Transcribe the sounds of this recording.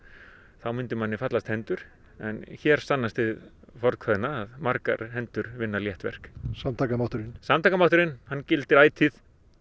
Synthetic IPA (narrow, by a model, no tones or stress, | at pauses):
θawmʏnt̪ɪmanːɪfat̪last̪hɛnt̪ʏɾ̥ | ɛnçɛɾ̥st̪anːast̪ɪð | fɔɾt̪kʰɛðɪnaːðmaɾka̰ɾhɛnt̪ʏɾvɪnːaljɛht̪vɛ̰r̥ksamt̪ʰaːkamawht̪ʏɾɪnsamt̪ʰaːkamawht̪ʏɾɪnhanːcɪlt̪ɪɾaːjt̪ʰiθ